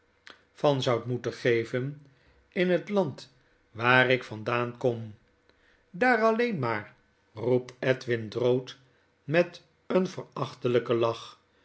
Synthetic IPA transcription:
fɑnzʌwtmutəχejvən | ɪnɦətlɑnt | ʋaːɾɪkfɑndaːnkɔm | daːɾɑlejnmaːɹ | rup̚tɛtʋɪndrowt | mɛt | ənvəɹɑχtələkəlɑχ

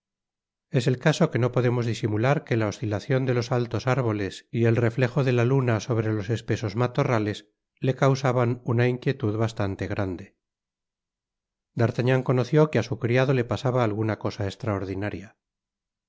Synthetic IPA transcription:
e̞se̞lkaso̞ke̞no̞po̞ðe̞mo̞zðisimulaɾke̞lao̞st̪ilaθjo̞nd̪e̞losalt̪o̞saɾβo̞lesie̞lre̞fle̞xo̞ðe̞lalunaso̞βɾe̞lo̞se̞spe̞so̞zmat̪o̞rale̞s | le̞kawsaβanunaiŋkje̞t̪uðβast̪ant̪e̞ɣɾand̪e̞ | d̪aɾt̪aɲaŋko̞noθjo̞keasukɾiaðo̞le̞pasaβaːlɣunako̞saest̪ɾaoɾðinaɾja

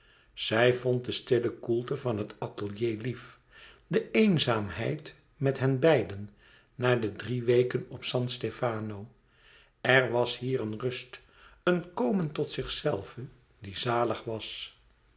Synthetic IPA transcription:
z̥ɛjvɔnt̚dəstɪləkulˠtəvɑnɦətɑtəlˠjejlif | dəejnzaːmɦɛjt | mɛtɦɛnbɛjdənː | aːɹdədriʋejkənɔpsɑntstefaːnow | ɛrʋɑsɦiːrənrɵst | ənkowməntɔtsɪχsɛlˠvə | dizaːləχʋɑs

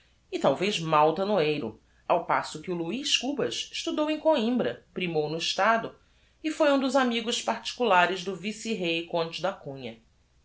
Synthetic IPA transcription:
ɪt̪awvejzmawt̪ɐnoejɾʊ̰ | awpasʊkɪuluiʃkubɐʃɪ̥ʃt̪ud̪owẽj̃koĩmbɾɐpɾimownʊɪʃt̪ad̪ʊ | ɪfojũd̪ʊzamiɡʊʃpaɾt͡ʃi̥kulaɾɪzd̪ʊvisiɦejkõnt͡ʃɪd̪akũɲɐ

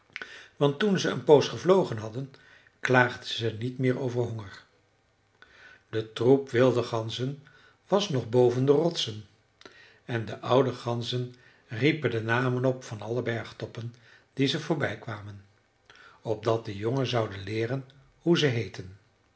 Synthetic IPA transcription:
ʋɑntunzəə̰npowsχəvlowχənɦɑdən | klaːχdəzənitmɪːɹowvəɹɦɔŋəɹ | d̥ətrupʋɪlˠdəχɑnzən | ʋɑsnɔχbowvəndərɔtsən | ɛndəʔʌwdəχɑnzən | ripəndənaːmənɔpfɑnɑləbɛɹχtɔpən | d̥izəvʊːɹbɛjkʋaːmən | ɔb̚dɑt̚dəjoŋəzɑwdənlɪːrən | huzəɦejtən

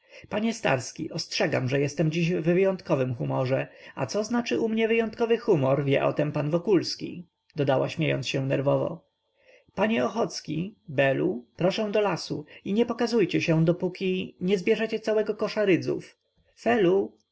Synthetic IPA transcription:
paɲɛst̪a̰ɾskʲḭʔɔstʂɛɡa̰mʐɛjɛst̪ɛmd͡ʑiʑvvɘjɔ̃nt̪kɔvɘmxumɔʐɛa̰t̪sɔznat͡ʂɘʔumɲɛvɘjɔnt̪kɔvɘxumɔɾvʲjɛ̰ʔɔ̰t̪ɛmpanvɔkulskʲḭ | d̪̥ɔd̪awaɕmʲjejɔ̰nt̪sɕɛnɛɾvɔvɔ̰ | paɲɛɔxɔt̪skʲibɛlupɾɔʂɛw̃d̪ɔlasuiɲɛpɔkazujt͡ɕɛɕɛd̪ɔpukʲiɲɛzbʲjɛʐɛt͡ɕɛt̪sawɛɡɔkɔʂaɾɘd̪zṵf | fɛlu

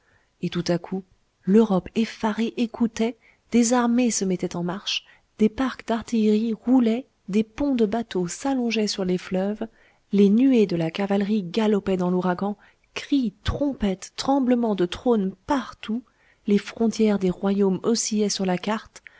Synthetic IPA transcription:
et̪ut̪akʰu | løʁɔpefaʁeʔekʰut̪ɛ | d̪̥ezaʁmesəmɛt̪ɛt̪ɑ̃maʁʃ | d̪̥epaʁkd̪aʁt̪ijʁiʁulɛ | d̪epɔ̃d̪əbat̪osalɔ̃ʒɛsyʁleflœv | lenyed̪əlakavalʁiɡalɔpɛd̪ɑ̃luʁaɡɑ̃ | kχit̪χɔ̃pɛt̪ːχɑ̃bləmɑ̃d̪ət̪χonpaʁt̪u | lefχɔ̃t̪jɛʁd̪eʁwajomɔsijɛsyʁlakaʁt̪

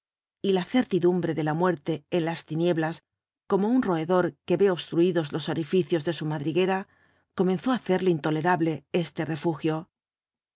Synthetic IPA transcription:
ilaθe̞ɾt̪iðumbɾe̞ðe̞lamwe̞ɾt̪e̞ːnlast̪inje̞βlas | ko̞mo̞unro̞e̞ðo̞ɾke̞βe̞o̞βst̪ɾuiðozlo̞soɾifiθjo̞zðe̞sumaðɾiɣe̞ɾa | ko̞me̞nθo̞aθe̞ɾleint̪o̞le̞ɾaβle̞e̞st̪e̞re̞fuxjo̞

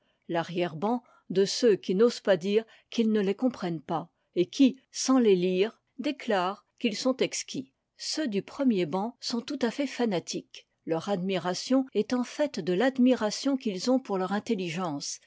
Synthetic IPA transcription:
laʁjɛʁbɑ̃ | d̪əsøkʲinoz̥pad̪iːʁ | kilnəlekɔ̃pχɛnpa | ekʲʰisɑ̃leliːʁ | d̪eklaːʁ | kilsɔ̃t̪ɛkskʲi | sød̪ypχəmjebɑ̃sɔ̃t̪ut̪afɛfanat̪ʰik | lœʁad̪miʁasjɔ̃ɛt̪ɑ̃fɛt̪d̪əlad̪miʁasjɔ̃kilzɔ̃puʁlœʁɛ̃t̪eliʒɑ̃ːs

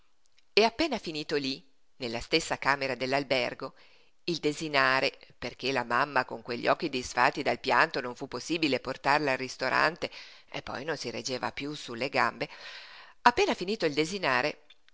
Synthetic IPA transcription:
eapːeːnafiniːt̪oli | nelːast̪esːakaːmeɾad̪elːalbɛrɡo | ild̪ezinaːɾeperk̟elamamːakoŋkweʎːɔ̰ːk̟ːid̪isfat̪ːid̪alpjant̪onõɱfupːosːiːbileport̪arlaːlrist̪oɾʔa̰nt̪eḛpːɔ̰jnonsiɾḛd͡ʒːeːva̰pjusulːeɡambe | apːeːnafiniːt̪oild̪ezinaːɾe

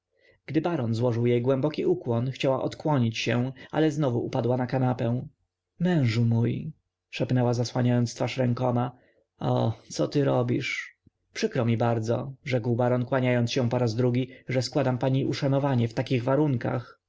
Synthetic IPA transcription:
ɡ̥d̪ɘbaɾɔnzwɔʐɘwjejɡwɛmbɔkʲiukwɔnxt͡ɕawaʔɔt̪kwɔɲit͡ɕɕɛ̃ʔa̰lɛznɔvuʔupad̪wanakanapɛ̃w̃ | mɛ̃w̃ʐumuj | ʂɛpnɛwazaswaɲajɔnt̪st̪faʂɾɛŋkɔma | ɔ̰t̪sɔt̪ɘɾɔbʲiʂ | pʂɘkɾɔmʲibaɾd̪zɔ̰ʐɛkwbaɾɔnkwaɲajɔnt̪sɕɛ̃pɔɾazd̪ɾuɡʲiʐɛskwad̪ampaɲiʔuʂanɔvaɲɛft̪akʲiɣvaɾuŋka̰x

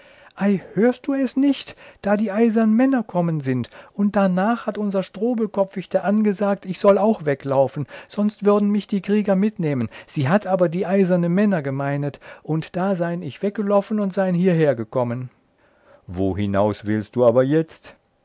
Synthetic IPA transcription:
ʔaɪhøːɐst̚d̥uːɛsnɪçtd̥aːdiːʔaɪzɐnənmɛnɐkʰɔmənzɪntʔʊnt̚d̥anaːχhatʔʊnzɐʃtʁ̥oːbl̩kʰɔfɪçtɐʔanɡəzaːk̚tɪçz̥ɔlaʊxv̥ɛklaʊfn̩z̥ɔnstv̥ʏɐdn̩mɪçd̥iːkʁ̥iːɡɐmɪtneːmənz̥iːɦatʰʔaːbɐdiːʔaɪzɐnənmɛnɐɡəmaɪnətʔʊntd̥aːzaɪənɪçv̥ɛk̚ɡ̥əlɔʊfn̩ʊntz̥aɪənhiːɐɦeːɐɡəkʰɔmən | vo̰ːhɪna̰ʊsv̥ɪlst̚d̥uːaːbɐjɛt͡st

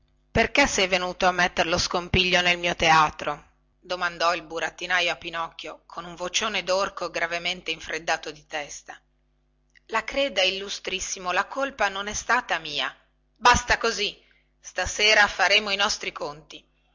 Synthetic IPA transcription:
perkesːɛjvenuːt̪oamːet̪ːeɾeloskompiʎːonelmiːot̪eaːt̪ɾo | d̪omand̪ɔilbuɾat̪ːinajoapːinɔkːjokʰonuɱvot͡ʃoːned̪orkoɡɾavement̪eiɱfɾed̪ːaːt̪od̪it̪ɛst̪a | lakɾɛːd̪ailːust̪ɾisːimolakolpanonɛst̪aːt̪amiːa̰ | bast̪akozi | st̪aseːɾafaɾeːmoinɔst̪ɾikont̪i

